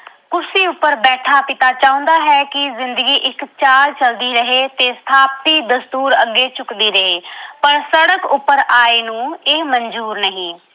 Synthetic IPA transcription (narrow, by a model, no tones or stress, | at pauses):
kʊsiːʊpːəɾbɛːʈʰaːpɪt̪aːt͡ʃaːʊ̃ːnd̪aːɦɛːkɪzɪnd̪əɡiːʔɪkt͡ʃaːlt͡ʃəld̪iːɾəɦeːt̪eːst̪ʰaːp̚t̪iːd̪əst̪uːɾəɡːeːt͡ʃʊkd̪iːɾəɦeːpəɾsəɽəkʊpːəɾaːeːnũːeːməɲd͡ʒuːɾnəɦĩː